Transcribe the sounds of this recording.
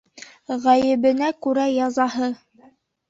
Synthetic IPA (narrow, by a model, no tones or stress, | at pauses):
ʁæjɘ̆βɘ̆nækʉɾæjɑzɑɦɤ